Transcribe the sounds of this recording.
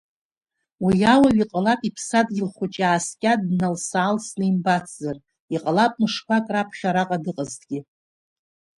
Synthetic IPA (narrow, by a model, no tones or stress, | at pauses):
wijawaɥiqʼalapʼipʰsadɡʲɪlχʷʊt͡ʃʼaːskʲʼadnalsaːlsnɨimbat͡sʰʼzar | iqʼalapʼnɨʂpʷʰakʼrapʰχʲaɾaqʼadɨqʼəztɡʲi